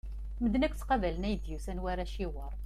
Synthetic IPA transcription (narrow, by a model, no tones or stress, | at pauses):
məd̪nækʷːt͡sːqɑvælənæjəd̪jusænwæɾæʃiwəɾˤ